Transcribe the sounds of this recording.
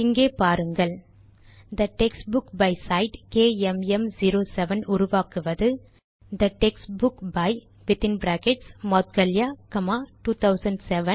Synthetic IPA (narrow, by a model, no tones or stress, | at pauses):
ɪŋɡeːpaːɾɯŋɡɐɭ | d̪ɐʈɛksʈbʊkbɐɪsɐɪɖkeːɛmɛmd͡ʒiːɾoːsɛʋɐnʊɾʊʋaːkɯʋɐðɯ | d̪ɐʈɛksbʊkbɐɪ | ʋɪt̪ɪ̃nbɾaːkɛʈsmɔːt̪̚ɡɐljaːkɐmaːʈuːt̪ʰɐʊsɐɳɖsɛʋɐn